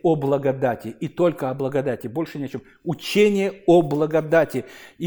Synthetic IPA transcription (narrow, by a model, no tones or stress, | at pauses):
oblˠəɡɐd̪atʲɪit̪o̞lʲkəɐblˠəɡɐd̪atʲɪbo̞lʲʂɨnʲɪɐt͡ɕom | ʊt͡ɕenʲɪjəoblˠəɡɐd̪atʲɪ